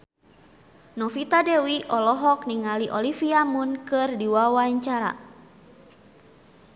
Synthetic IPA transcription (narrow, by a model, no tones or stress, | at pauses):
nɔfit̪adɛwiʔɔlɔɦɔk̚niŋaliʔɔlifiamunkɨrdiwawaɲt͡ʃaɾa̰